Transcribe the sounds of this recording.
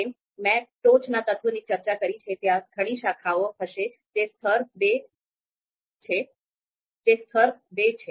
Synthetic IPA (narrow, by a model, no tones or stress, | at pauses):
em | mɛ̃ʈot͡ʃnat̪ət̪ʰunit͡ʃəɾt͡ʃakəɾit͡ʃʰet̪jãɡʰʱəɽ̃iʃakʰaoɦəʃe | d͡ʒest̪ʰəɾbe | t͡ʃʰe | d͡ʒest̪ʰəɾbet͡ʃʰe